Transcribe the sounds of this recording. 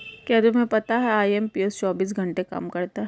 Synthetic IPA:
kɛːd̪umẽpɐt̪aɦɛaːiempiest͡ʃɔːbiːs̬ɡʱɐ̃ɳʈekɐ̰mkɐɾt̪aɦ

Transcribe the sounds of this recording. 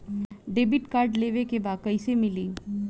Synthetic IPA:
ɖeːbiʈkaːɾɖleːʋekebaːkəisemɪliː

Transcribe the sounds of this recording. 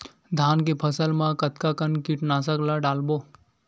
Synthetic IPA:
d̪ʱaːnkepʰəsəlmãkət̪kakənkiʈnasəklaɖaːlboː

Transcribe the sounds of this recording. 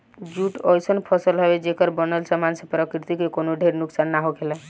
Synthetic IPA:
d͡ʒuʈɔjsənpʰɔsəlɦɔbed͡ʒekəɾbənəlsamansẽpɾəkɾit̪ikekonoɖʱeɾnuksanːaɦokʰelɛ

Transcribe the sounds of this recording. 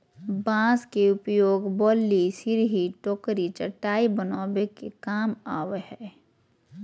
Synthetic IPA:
bãːskeʊpjoːɡbɔːlːisɪɾɦiʈoːkɾit͡ʃəʈːaːibənaːwekekaːmaːʋehɛː

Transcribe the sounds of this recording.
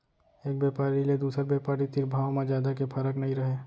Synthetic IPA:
eːk̚beːpaːɾiled̪uːsəɾbeːpaːɾit̪ɪɾbʱaːwmẽd͡ʒjaːd̪akepʰəɾəknɐɦĩɾɐɦeː

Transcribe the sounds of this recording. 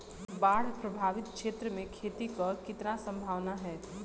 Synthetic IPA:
baːɽ̤pɾɐbʱaːʋɪt̪̚kʃeːt̪ɾəmẽkʰeːt̪ikɐkɪt̪nasɐ̃mbʱaːʋnaɦɛː

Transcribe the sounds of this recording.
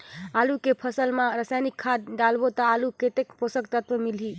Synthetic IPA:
alukepʰəsəlmãɾasajnikʰːad̪̚ɖalbot̪ɔaluket̪ekposəkt̪ət̪ʋəmilɦi

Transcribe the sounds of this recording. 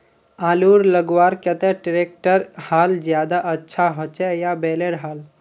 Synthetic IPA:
aːluɾləɡwaːɾkət̪ɛʈɾeːk̚ʈəɾhaːld͡ʒjaːd̪aʔətːʃʰaɦot͡ʃɛjabeleɾɦaːl

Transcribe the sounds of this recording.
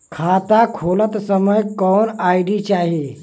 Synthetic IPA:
kʰat̪akʰolət̪səməjkɔnaiɖit͡ʃaːɦi

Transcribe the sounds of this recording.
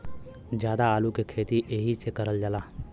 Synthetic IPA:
d͡ʒjaːd̪aaːlukekʰeːt̪iʔeːɦisekəɾəld͡ʒəlaː

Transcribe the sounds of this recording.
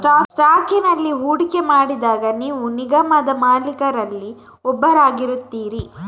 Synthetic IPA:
sʈaːsʈaːkinɐlːiɦuːɽikemaːɽid̪aːɡɐniːʋuniɡɐmɐd̪ɐmaːlikɐɾɐlːi | ɔbːɐɾaːɡiɾut̪ːiːɾi

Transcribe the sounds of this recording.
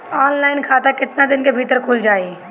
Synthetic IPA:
ɔːnlaːɪnkʰaːt̪akɪt̪nad̪ɪnkebʱiːt̪əɾkʰʊld͡ʒaːeː

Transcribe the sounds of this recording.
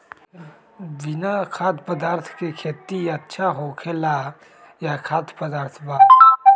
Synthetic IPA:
bɪnakʰaːt̪ʰpəd̪aːɾt̪ʰkekʰeːt̪iɐtːʃʰaɦokʰela | jakʰaːt̪pəd̪aːɾt̪ʰbaː

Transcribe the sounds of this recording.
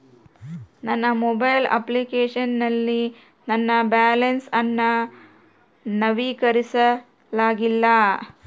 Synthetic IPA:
nɐnːɐmobɐjlɐ̰plikeːʂɐnnɐlːi | nɐnːɐbaːlɐnsɐnːɐ | nɐʋiːkɐɾisɐ | laːɡilːɐ

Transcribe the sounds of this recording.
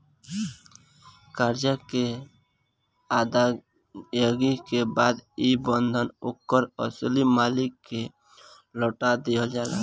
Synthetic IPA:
kaɾd͡ʒake | ad̪a | jəɡikebaːd̪ibənd̪ʱənokːəɾɔslimaːlɪkːe | lɔʈad̪eəld͡ʒaːla̰

